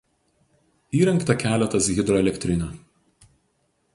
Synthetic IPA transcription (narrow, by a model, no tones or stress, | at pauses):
iːɾʲɛŋˑkt̪ɐkʲæːlʲɛt̪ɐsɣʲɪd̪ɾɔɛlʲɛkʲt̪ʲɾʲɪnʲɛ